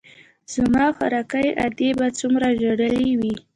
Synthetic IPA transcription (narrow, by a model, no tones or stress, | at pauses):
z̥amɑxaɾɑkajʔa̰d̪ebat͡sumɾaʒeɽəliwi